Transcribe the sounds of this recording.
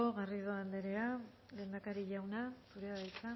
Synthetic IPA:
oɣariðoand̪eɾe̞a | le̞ːnd̪akaɾiʎawnasuɾeaβajt̪a

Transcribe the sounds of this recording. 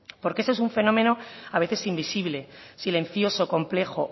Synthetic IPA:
po̞ɾkeesoes̬uɱfe̞nõ̞mẽ̞no̞aβeθe̞simbisiβle̞silẽ̞nθjo̞so̞ko̞mple̞xo

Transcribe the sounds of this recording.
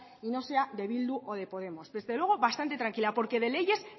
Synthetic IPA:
ino̞se̞ad̪e̞βild̪uʔo̞ð̞e̞po̞ðe̞mo̞zðe̞zðelwe̞ɣ̞o̞βast̪ant̪e̞t̪ɾaŋkilapo̞ɾke̞ðe̞le̞ʝe̞s

